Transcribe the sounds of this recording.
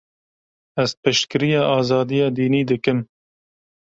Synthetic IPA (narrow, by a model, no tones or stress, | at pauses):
ɛzpɨʃt̪kɨɾijɑːʔɑːzɑːd̪ijɑːd̪iːniːd̪ɨkɨm